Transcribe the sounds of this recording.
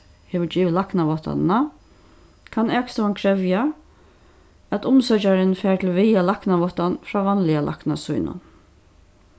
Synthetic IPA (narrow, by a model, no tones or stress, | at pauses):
heʋʏd͡ʒiːʋlahknaʋɔht̪a̰na | kʰanɛːkst̪ɔʋankʰɾɛʋja | æt̪ʊmsœt͡ʃaɾɪnfɛːɹt̪ʰɪlʋɪjalaknaʋɔht̪anfɾaːʋanlɪalʔa̰hkna̰sṵjnʊ̰n